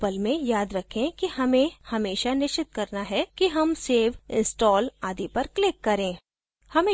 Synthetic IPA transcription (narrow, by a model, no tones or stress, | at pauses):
pəlmẽjaːd̪ɾɐkʰẽkihɐmẽhɐmeːʃanɪʃt͡ʃɪt̪̚kɐɾnaɦɛkiɦɐmseːʋɪ̃nsʈɔːlaːd̪ipɐɾklɪkːɐɾẽː | hɐmẽ